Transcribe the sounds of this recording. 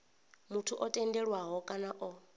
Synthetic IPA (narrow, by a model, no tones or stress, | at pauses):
mutʰuʔɔtʼɛndɛɺwaɦɔkʼanaʔɔ